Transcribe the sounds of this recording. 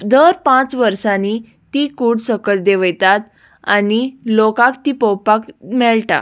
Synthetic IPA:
d̪əɾpãt͡sʋəɾsani | t̪ikuɽsəkəld̪eʋjt̪at̪ | anilokãkt̪ipɔwpakmɛɭʈa̰

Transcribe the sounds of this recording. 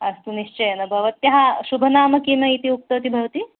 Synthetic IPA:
ɐst̪uniʃt͡ʃɐjɐnɐbʱɐʋɐt̪jɐɦaʃubʱɐnaːmɐkinɐit̪iuk̚t̪ɐʋt̪ibʱɐʋɐt̪i

